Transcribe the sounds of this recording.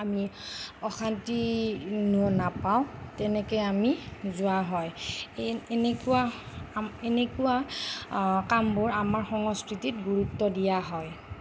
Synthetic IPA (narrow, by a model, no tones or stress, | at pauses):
amiɔxantinuɔnapaʊ̃tɛnɛkɔjamizʊaɦɔj | nekua | enekuwa | kambʊɹamaɹxɔŋɔskɹititɡuɹutːɔdijaɦɔj